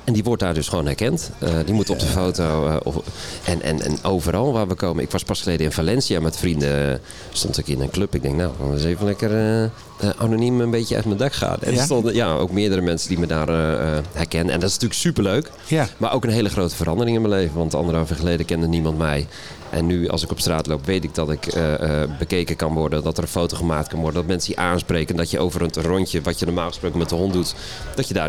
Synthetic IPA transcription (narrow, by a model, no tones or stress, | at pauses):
ɛndiʋɔrt̚daːrdøsχoːnhɛrkɛntədimutɔp̚dəfowto̰ | ʔɛ̰nʔɛ̰nɛ̰noːvəɾɑlˠʋaːʋəkʰoːməɪ̰kʋɑspɑsχəlejdəɪnfalɛnsiamɛtfrində | stɔ̰ntɪkɪnənkløpɪɡ̚dɛŋk̚nawɔ̰ɪseːvənlɛkər | ʔa̰nonimənbetjəɛ̰tməndakxa̰ːtɛ̰nɔjao̰ːkmɪədəɾəmɛnsəndimədaːrhɛrkɛnənɛ̰ndɔtɪsntyːləksypəɹløɥk | maɾʔowkənɦeːləχrowtəfəɾɑndəɾɪŋɪnməlejvənʋɑntəɑ̰ndəɾəɑfəχəleːdəkɛndənimɑntmɛj | ʔɛ̰nːyɑ̰lˠsɪkɔpstraːtlowpʋejtɪk̚dɔtɪkː | bəkeːkəkɑnʋɔɹdəndɔtəɾə̃nfowtoχəmaːk̚tkɑnʋɔɹrdəndɔtmɛnsəiʔaːnspreːkəndɔtjəʔowvəɾətrɔntjəʋɔtjənɔːmaːlˠχə̥sprowkənmɛt̚dəɦɔndut | d̥ɔtjədaː